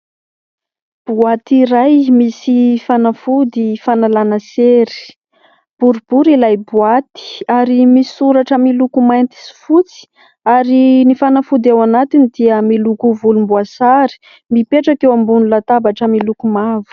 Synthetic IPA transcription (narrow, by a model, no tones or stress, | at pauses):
b̥uat̪iɾajmisifanafud̪ifanalanəseɾi̥ | b̥uɾub̥uɾilajbuat̪i̥aɾimisuɾaʈ͡ʂəmilukumajnt̪i̥si̥fut͡si̥ | aɾinifanafud̪awanat̪inid̪iəmilukuvulumbuasaɾi̥ | mipeʈ͡ʂakewambunulat̪abaʈ͡ʂəmilukumavu̥